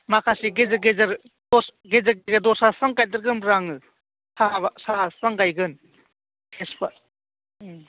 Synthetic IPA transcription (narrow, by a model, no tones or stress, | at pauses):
makʰasiɡezɐɡezɐɾ | dɔsɡezaɡeɡɐdɔsasaŋkaj̚dɐɾɡɯmɾaŋɯ | sabasasaŋɡajɡɯn | kʰespa